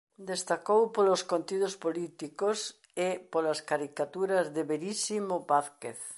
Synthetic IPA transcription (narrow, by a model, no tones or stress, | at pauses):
d̪est̪akowpoloskont̪iðospolit̪ikos | ɪpolaskaɾikat̪uɾazðeβeɾisimobaθkḛθ